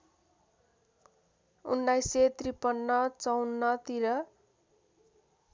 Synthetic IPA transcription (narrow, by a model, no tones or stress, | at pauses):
ṵnːajset̪ripʌnːʌt͡sʌwnːʌt̪iɾʌ